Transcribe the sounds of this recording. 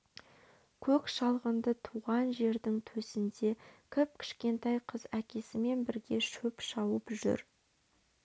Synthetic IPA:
kʲʰɵkʃɑlˠʁənd̪ət̪ʰuʁɑnʒe̞ɾd̪ɪŋt̪ʰɵsɪnd̪e̞kʲʰɪp̚kʲʰɪ̥ʃkʲe̞nt̪ɑjqʰəzækʲe̞sɪme̞nbɪɾɡʲe̞ʃɵpʃɑwəpʒʏ̰ɾ

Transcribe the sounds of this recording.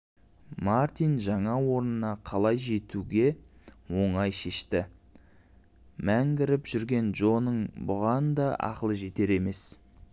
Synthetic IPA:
maɾt̪ijnʒɑɴɑwo̞ɾnənɑqʰɑlˠɑjʒe̞t̪ʰuɡʲe̞wo̞ɴɑjʃe̞ʃt̪ɪ | mæŋɡʲɪɾɪpʒ̥ʏɾɡʲe̞nʒo̞nəɴbʊʁɑnd̪ɑʔɑ̰qəlˠəʒe̞t̪e̞ɾe̞me̞s

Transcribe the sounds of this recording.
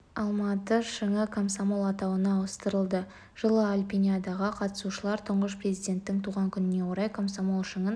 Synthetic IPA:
ɑlˠmɑt̪əʃəŋəkʰomsamo̞lˠɑt̪ɑwənɑːwəst̪əɾəlˠd̪ə | ʒ̥əlˠəalʲpʲinʲijad̪ɑʁəqʰɑt̪ə̥suʃəlˠɑɾt̪ʰʊɴʁəʃprʲezijd̪ʲe̞nt̪ːɪŋt̪ʰuʁɑŋkʲʰʏnɪne̞wo̞ɾɑjkʰomsamo̞lˠʃəŋən

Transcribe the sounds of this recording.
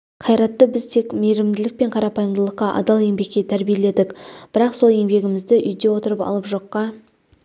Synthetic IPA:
qʰɑjɾɑt̪ːəbɪzt̪ʰe̞kme̞ɾɪmd̪ɪlɪk̚pe̞ɴqʰɑɾɑpɑjəmd̪əlˠəqːɑʔɑ̰d̪ɑlˠe̞ŋbe̞kʲːe̞t̪ʰæɾbije̞le̞d̪ɪkb̥ɪɾɑqso̞lˠe̞ŋbe̞ɡʲɪmɪzd̪ɪʔʏjd̪e̞wo̞t̪əɾəpɑ̰lˠəpʒo̞qːɑ

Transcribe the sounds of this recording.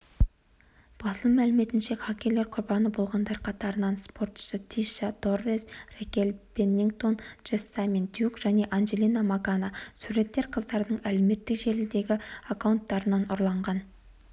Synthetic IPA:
b̥ɑslˠəmælɪme̞t̪ɪnʃe̞χɑkʲe̞ɾle̞ɾqʰʊɾbɑnəbo̞lˠʁɑnd̪ɑɾqʰɑt̪ɑɾənɑnspo̞rt̪ʃət̪ʰiʃɑd̪o̞rːesrekʲelb̥enːiŋɡt̪o̞nʒ̥est̪ːamint̪jukʒ̥æne̞ʔanʒe̞lʲˠinamakanɑsuɾe̞t̪ːe̞ɾqʰəzd̪ɑɾd̪əɴæle̞me̞t̪ːɪkʒe̞ɾɪld̪e̞ɡʲɪakawnt̪ːɑɾənɑnʊɾlˠɑɴʁɑn

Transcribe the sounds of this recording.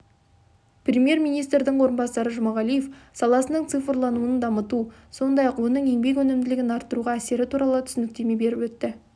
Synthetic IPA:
prʲemje̞ɾmijnijst̪ɾd̪ɪɴwo̞ɾənbɑsɑɾəʒʊmɑʁɑlije̞fsɑlˠɑsənəɴt̪sɨfəɾlˠɑnuəənd̪ɑmət̪uso̞nd̪ɑjɑqwo̞nəɴe̞ŋbe̞k̬wɵnɪmd̪ɪlɪɡʲɪnɑɾt̪ːəɾuʁɑæse̞ɾɪt̪ʰuɾɑlˠət̪ʰʏ̥sɪnɪk̚t̪e̞me̞be̞ɾɪpwɵt̪ːɪ

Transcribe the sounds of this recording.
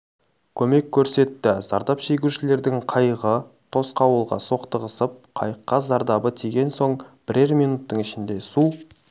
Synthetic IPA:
kʲʰɵme̞kʲʰːɵɾse̞t̪ːɪzɑ̰ɾd̪ɑpʃe̞ɡʲuʃɪle̞ɾd̪ɪŋqʰɑjʁə | t̪ʰo̞sqɑwəlˠʁɑ̰so̞qt̪əʁəsəp̚qʰɑjəqːɑzɑɾd̪ɑbət̪ʰeɡʲe̞nso̞ɴb̥ɪɾeɾmijnut̪ːəɴɪʃɪnd̪e̞su

